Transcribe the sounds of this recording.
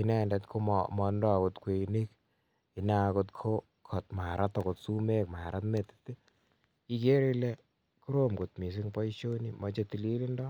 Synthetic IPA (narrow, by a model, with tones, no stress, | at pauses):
inɛ˦ndɛtkʰo˦mmɔ˧ndɔ˦a˨ko˨tkwe˨ni˦k̚ | i˨na˨ko˧t̚kʰo˦ | kʰɔ˨t̪̚maː˨ɾa˦t̪ːɔ˨ko˨tsu˦me˦k̚ma˨ɾa˦tme˨ti̥˦t̪ːi˦ | i˨ke˦ɾi˦le˦ | ku˦ɾomɡo˨tmi˨s̬i˦ŋpɔ˦i˦ʃo˦ni˦mɔ˧t͡ʃe˨t̪i˨li˦li˦ndɔ˦